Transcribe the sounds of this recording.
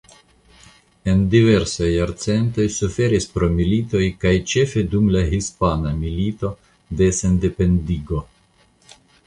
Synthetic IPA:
e̞ndive̞ɾsajaɾt͡se̞nt̪o̞jsufe̞ɾispɾo̞milit̪o̞jkajt͡ʃe̞fe̞dumlaɦispanamilito̞ | de̞se̞nde̞pe̞ndiɡo̞

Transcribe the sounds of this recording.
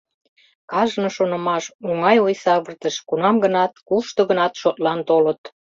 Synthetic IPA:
kɑʒnŏʃonə̆mɑʃuŋɑjojsɑβərt̪əʃkunɑmɡənɑt̪̚kuʃt̪oɣənɑt̪ʃot̪lɑnt̪olət̪

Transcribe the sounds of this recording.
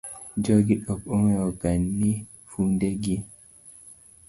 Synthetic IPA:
d͡ʒɔɡiɗɔkoŋeɔɡanːi | fundeɡi

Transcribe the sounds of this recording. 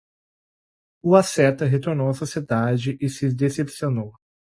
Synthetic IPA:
ʊasɛt̪ɐɦet̪oɾnowɐsosied̪ad͡ʒɪʔɪsɪzd̪esepsionow

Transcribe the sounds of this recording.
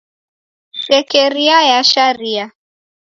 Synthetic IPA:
ʃɛkɛɾiajaʃaɾia

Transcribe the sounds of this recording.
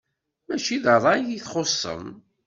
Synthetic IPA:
mæt͡ʃiðəðˤɑjiθχosˤːə̰m

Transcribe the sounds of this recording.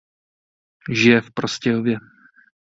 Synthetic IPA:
ʒɪjɛfpɾoscɛlovjɛ

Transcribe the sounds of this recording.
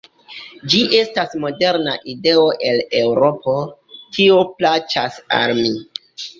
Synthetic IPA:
d͡ʒiʔe̞stasmo̞de̞ɾnaʔide̞o̞ʔe̞le̞wɾo̞pʰo̞ | tʰioplat͡ʃasa̰lmi

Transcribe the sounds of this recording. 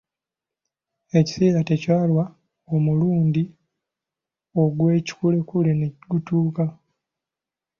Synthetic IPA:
e̞ci̥seːɾatecwaːlwa | omuluːndi | o̞ɡwe̞ːci̥kule̞kuleneɡutuːka

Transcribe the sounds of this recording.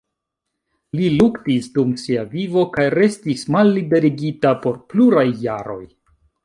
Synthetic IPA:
liluktisdumsiavivo̞kajɾe̞stismalːide̞ɾiɡitapo̞ɾpluɾajːaɾo̞̰j

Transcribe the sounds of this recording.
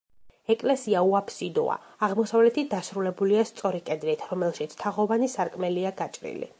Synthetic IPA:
ɛkʼlɛsiauapʰsid̪ɔ̰a̰ːʁmɔsavlɛt̪ʰit̚d̪asɾulɛbuliast̪sʼɔɾikʼɛd̪ɾit̪ʰɾɔmɛlˠʃit̪sʰt̪ʰaʁɔvanisaɾkʼmɛliaɡat͡ʃʼɾḭlḭ

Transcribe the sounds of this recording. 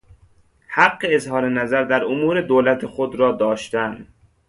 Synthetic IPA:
hæɡːeezhɒːɾenæzæɾd̪æɾomuːɾe̞d̪oːlæt̪ʰexod̪ɾɒːd̪ɒːʃt̪ænd̪

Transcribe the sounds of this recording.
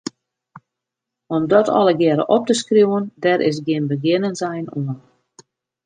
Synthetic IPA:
ɔmdɔtʰɔ̰lˠəɡjɛɾə̰ʔɔp̚təskruwəndɛɾʔɪ̰s̬ɡjɪnbəɡɪnənzɛjnuən

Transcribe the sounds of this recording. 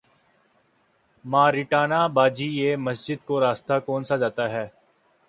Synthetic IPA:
mãːɾɪʈaːnaːbaːd͡ʒiːeːməsd͡ʒɪd̪koːɾaːst̪aːkoːnsaːd͡ʒaːt̪aːɦɛː

